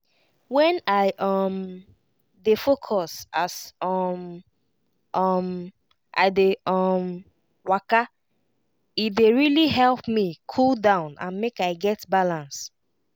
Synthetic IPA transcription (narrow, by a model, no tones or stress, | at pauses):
wɛ̃naɪʔɔm | defokʰɔsasɔm | ʔʌm | ʔa̰ɪdeɔm | waka | ideɹiliɦɛlˠpmikʰuldãʊ̃nã̰nmekaɪɡɛtbalãns